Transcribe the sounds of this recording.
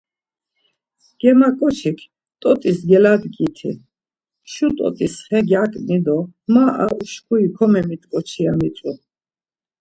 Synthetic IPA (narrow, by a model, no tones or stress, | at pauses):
ɡ̥ɛmakʼɔt͡ʃʰikʰ | t̪ʼɔt̪ʼisɡɛlad̪ɡit̪ʰḭ | ʃut̪ʼɔ̰t̪ʼisχɛɡjakʼnid̪ɔmaʔa̰ʔuʃkʰuikʰɔmɛmit̪ʼkʼɔt͡ʃʰiamit͡s̪ʼu